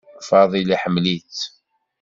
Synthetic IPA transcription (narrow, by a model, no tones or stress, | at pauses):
fɑðˤiliħəmlit͡s